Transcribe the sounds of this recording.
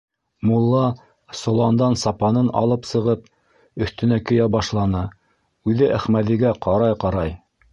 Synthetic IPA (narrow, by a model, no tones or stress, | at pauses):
mulˠːɑ | sŏlˠɑnd̪ɑnsɑpɑnɤnɑ̰lˠɤpsɤ̆ʁɤp̚ | ɵ̆θt̪ɵ̆nækɵ̆jæbɑʃlˠɑnɤ | ʉðɘʔæχmæðiɡæqɑɾɑjqɑɾɑj